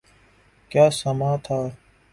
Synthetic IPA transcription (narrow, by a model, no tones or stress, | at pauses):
kjaːsɐmaːt̪ʰaː